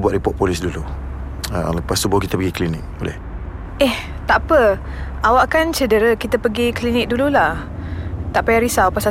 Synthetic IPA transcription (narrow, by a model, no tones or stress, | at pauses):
buat̪ʔ̚ɾipɔʔ̚polɪsdulu | ə̰ləpast̪ubʊhkit̪əpəɡiklinɪk̚bolɛ̰h | ʔɛh | t̪apə | awaʔkant͡ʃədəɾəkit̪əpəɡiklinɪk̚dululah | t̪aʔpajaɾisawpasa